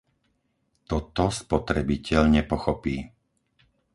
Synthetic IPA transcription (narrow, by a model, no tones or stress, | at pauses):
t̪ɔt̪ɔspɔt̪ɾɛbicɛʎɲɛpɔxɔpiː